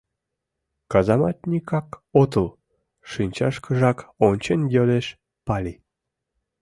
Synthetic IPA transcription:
kɑzɑmɑt̪̚nʲikɑkot̪əl | ʃɨnʲt͡ɕɑʃkəʒɑkonʲt͡ɕenjøleʃ | pɑlʲi

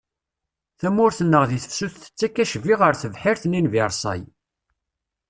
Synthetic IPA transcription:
θæmːʊɾθənːəʁðiθə̥fsuθθə̥t͡sːækːæʃviʁəɾθəvħɪɾθninviɾˤsˤɑ̰j

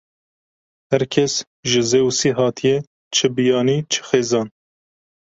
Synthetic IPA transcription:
hæɾkʰɛs | ʒɨzeːusiːɦɑːt̪ʰijɛ | t͡ʃʰɨbijɑːniːt͡ʃʰɨ̥xeːzɑːn

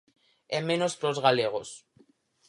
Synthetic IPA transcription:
emːẽnospɾozɣaleɣ̞o̞s

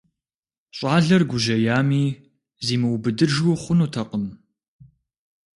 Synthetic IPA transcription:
ɕʼɑːɮɐrɡʷʊʒɐjaːmiː | ziːmɨwbɨdɨʒʊχʷʊnuːtʰɐqʼəm

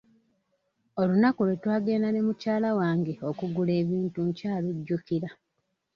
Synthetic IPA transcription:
o̞lunakulwetwaːɡe̞ːnane̞mucaːlawaːŋɡeo̞kuɡule̞ːβiːntuɲcaːluɟːukiɾa

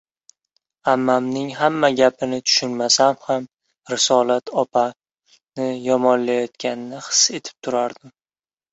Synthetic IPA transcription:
amːamnɪŋɦamːaɡʲapʰɪnɪt̪ʰʊ̥ʃʊnmasamham | ɾɪsɒlat̪ʰɒpʰa | nɪjɒmɒnlajɒt̪̚kʲanɪnɪχɨ̥se̞t̪ʰɪ̥p̚t̪ʰʊɾaɾd̪ɪm

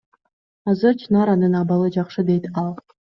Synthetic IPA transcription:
ɑzɯɾt͡ʃʰinɑɾɑnɯnɑβɑlˠɯd͡ʒɑqʃɯd̪ejt̪ɑlˠ

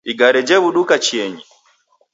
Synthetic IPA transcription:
iɡaɾɛd͡ʒɛβuɗukat͡ʃiɛɲi

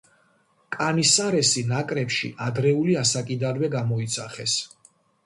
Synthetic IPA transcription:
kʼanisaɾɛsinakʼɾɛpʃḭʔad̪ɾɛuliasakʼid̪anwɛɡamɔit̪sʰaχɛs

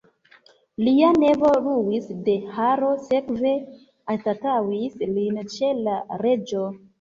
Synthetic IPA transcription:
liane̞vo̞ɾuwisde̞haɾo̞se̞kve̞ | atatawislint͡ʃe̞laɾe̞d͡ʒo̞

